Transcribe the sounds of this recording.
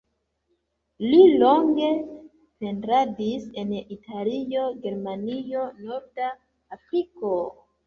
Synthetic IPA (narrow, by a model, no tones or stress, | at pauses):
lilo̞ŋɡe̞ | pe̞ntɾadise̞nitʰalioɡe̞ɾmanio̞no̞ɾdaː | fɾiko